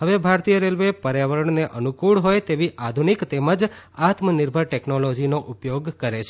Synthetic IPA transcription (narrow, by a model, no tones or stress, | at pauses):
ɦəʋebʱaɾt̪ijəɾelʋepəɾjaʋəɾəɳneʔənukuɽɦojt̪eʋiʔad̪ʱunikt̪eməd͡ʒat̪mənɪɾbʱəɾʈeknolod͡ʒinoʔupjoɡkəɾet͡ʃʰe